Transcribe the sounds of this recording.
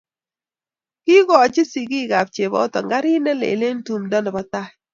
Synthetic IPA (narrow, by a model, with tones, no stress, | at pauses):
ki˦ɡɔ˨a˨t͡ʃɪ˦si˨ɡi˦˨ɡa˨p̚t͡ʃe˨bɔ̰ː˦tɔ˨ŋɡa˦ɾɪ˦nɛ˦lḛ˨le˦ntu˨mdɔ˦nɔ˨ba˨˦ta˦